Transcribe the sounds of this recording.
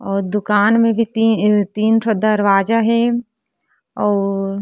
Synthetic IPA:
ɔːɾd̪ʊkaːnmẽbʱitit̪iːnpəd̪aɐɾʋaːd͡ʒaɦɛ | ɔːɾ

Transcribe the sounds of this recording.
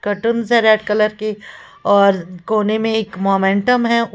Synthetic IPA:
kɐʈənzɛ̃ɾɛːɖkɐləɾki | ɔːɾkoːnemẽɪkmoːmẽːɳʈəmɦɛ̃ʔʊ

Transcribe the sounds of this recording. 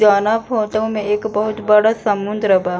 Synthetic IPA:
aːnapɦoːt̪aɦũmẽeːkbɐɦʊt̪bɐɽasɐmːʊ̃nd̪ɾəbaː

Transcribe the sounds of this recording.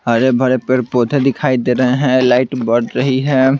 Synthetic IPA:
ɐɾebʱɐɾepeɾpot̪ʰed̪ɪkʰaːid̪eːɾɐɦeɦɛ̃laːɪʈbəɽɾɐɦiɦɛ̃ː

